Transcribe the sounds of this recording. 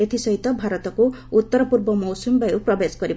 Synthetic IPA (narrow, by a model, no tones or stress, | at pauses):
et̪ʰisɔɦit̪ɔbʱaɾɔt̪ɔku | ut̪ːɔɾɔpuɾbɔmɔwsumbajupɾɔbeskɔɾib